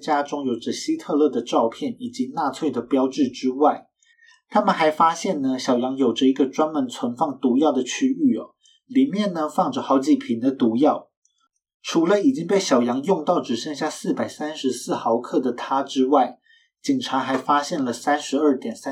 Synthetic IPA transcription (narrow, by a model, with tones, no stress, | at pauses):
t͡ɕja˥ʈ͡ʂʊ˥ŋjo˨˩ʊʈ͡ʂə˧˦ɕi˥t̪ʰɤ˥˧lɤ˥˩d̪ə˩ʈ͡ʂɑ˥˧ʊpʰjɛ˥˩ni˨˩t͡ɕi˧˥na˥˧t͡sʰwe˥˩ɪd̪ə˩pjɑ˥ʊʈ͡ʂɻ̩˥˩ʈ͡ʂɻ̩˥wa˥˩ɪ | t̪ʰa˥mə˨nxa˧˥ɪfa˥ɕjɛ˥˩nnə˩ɕjɑ˨˩ʊjɑ˧˥ŋjo˨˩ʊʈ͡ʂə˦i˧˥ɡə˧ʈ͡ʂwa˥nmə˧˥nt͡sʰwə˧˥nfɑ˥˩ŋt̪u˧˥jɑ˥˩ʊd̪ə˩t͡ɕʰy˥y˥˩ɔ̰˨˩ | li˨˩mjɛ˥˩nːə˨fɑ˥˩ŋʈ͡ʂə˨˩xɑ˧˥ʊt͡ɕi˨˩pʰi˧˨˩nd̪ə˨t̪u˧˥jɑ˥˩ʊ | ʈ͡ʂʰu˧˥lə˧i˨˩t͡ɕi˥ŋpe˥˩ɪɕjɑ˨˩ʊjɑ˧˥ŋjʊ˥˧ŋt̪ɑ˥˩ʊʈ͡ʂɻ̩˨˩ɕɛ˥˧ŋɕ̬ja˥˧˩sɹ̩˥˩pa˨˩ɪsa˥nʂɻ̩˧˥sɹ̩˥˩xɑ˧˥ʊkʰɤ˥˩d̪ə˩t̪ʰa˥ʈ͡ʂɻ̩˥wa˥˩ɪ | t͡ɕi˨˩nʈ͡ʂʰa˧˥xa˧˥ɪfa˥ɕjɛ˥˩nlə˩sa˥nʂɻ̩˧˥ə˞˥˩t̪jɛ˨˩ns